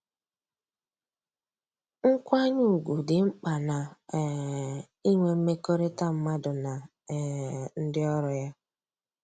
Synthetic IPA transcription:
ŋ̩˦kʷa˦ɲʊ˦u˨ɡʷu˨dɪ˨ŋ͡m̩˦k͡pa˨na˨ | i˦ŋʷe˨m̩˦me˦ko˦ɾe˦ta˦m̩˦ma˦dʊ˨na˨ | n̩˦dɪ˦ɔ˦ɾɔ˨ja˦

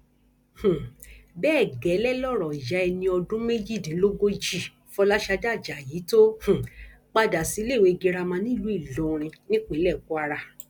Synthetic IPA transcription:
h̩˨bɛː˦˨ɡɛ˨˦lɛ˦lɔ˦˨ɾɔ˨i˨ja˨˧ɛ˧nĩ˧ɔ˧dũ˦me˦d͡ʒi˦˨dĩ˨˦lo˦ɡo˧d͡ʒi˦˨ | fɔ˧˦la˦ʃa˧da˦˨d͡ʒa˨ji˨˦to˦h̩˨ | k͡pa˦da˨si˨˦le˦˨we˨˧ɡi˧ɾa˧mã˧˦nĩ˦˨lu˨˦i˦˨lõ˨˦˧ɾ̃ĩ˧nĩ˦k͡pe˨˦lɛ˦˨ku˦a˧ɾa˧

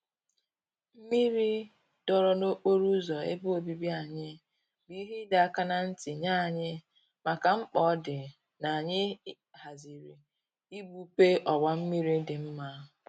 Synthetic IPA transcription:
m̩˦mi˦ɾi˦ | d̥ɔ˨ɾɔ˨no˦k͡po˦ɾu˦zɔ˨ḛ˦bu˦o˨bi˦bi˦a˨ɲɪ˦ | bi˦˨i˦ɦi˦da˨ka˦na˨n̩˦tɪ˨ɲa˦˨ɲɪ˦ | ma˨ka˨ŋ͡m̩˦k͡pɔ˦dɪ˨ | na˨a˨ɲɪ˦ | ha˨zi˨ɾi˨ | i˦ɡ͡bu˦pe˦ʔɔ˨ɡ͡ba˨m̩˦mi˦ɾi˦dɪ˨m̩˦ma˦˨

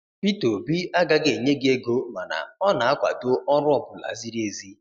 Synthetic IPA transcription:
pi˦to˨bi˦a˦ɡa˦ɡe˨ɲe˦ɡe˦ɡo˦ma˨na̰˨ɔ˦na˨a˦kʷa̰˨to˦ɔ˦ɾʊ˦ɔ˦bʊ˨la̰˨zi˦ɾi˦e˨zi˦

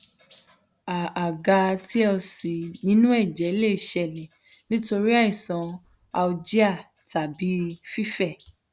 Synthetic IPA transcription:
a˨a˨ɡa˧ti˦ɔ˧si˨nĩ˨˦nũ˦ɛ˦˨d͡ʒɛ˨˦le˦˨ʃɛ˧˨lɛ˨ | nĩ˦to˧ɾi˦a˦i˨sɔ̃˨ | a˧u˧d͡ʒi˦a˦˨ | ta˨bi˨˦fi˦fɛ˦˨

